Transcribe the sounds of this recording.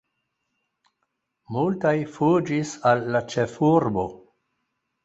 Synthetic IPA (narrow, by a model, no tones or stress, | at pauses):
multajfud͡ʒisalːat͡ʃefuɾbo̞